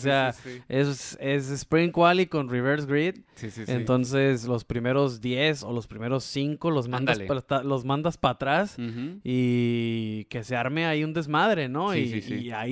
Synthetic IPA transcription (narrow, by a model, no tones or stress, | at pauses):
seaesse̞s̬espɾĩŋkwaliko̞nriβeɾsɡɾit̪siiḛnt̪o̞ns̬e̞slo̞spɾime̞ɾo̞zðje̞so̞lo̞spɾime̞ɾo̞sːiŋko̞lozmãnd̪ast̪alo̞zmãnd̪aspat̪ɾasi | ke̞seaɾme̞aiund̪e̞zmaðɾe̞no̞iai